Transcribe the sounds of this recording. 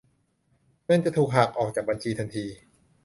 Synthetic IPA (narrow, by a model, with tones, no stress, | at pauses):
na˥˩ŋt͡ɕa˨˩t̪ʰuː˨˩k̚ɦaː˨˩k̚ʔɔː˨˩k̚t͡ɕaː˨˩k̚ba˧nt͡ɕʰiː˧t̪ʰa˧nt̪ʰiː˧